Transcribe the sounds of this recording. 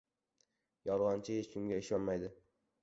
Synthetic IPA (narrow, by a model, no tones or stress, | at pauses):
jɒɾʁɒnt͡ʃʰɪjet͡ʃʰʊmɡʲaɪʃɒnmajd̪ɪ